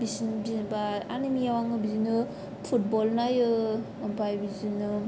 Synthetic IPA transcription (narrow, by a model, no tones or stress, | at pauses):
bisinbibaa̰nimijawaŋɯbizinɯ | pʰut̚bɔlnajɯ | mpʰajbizinɯ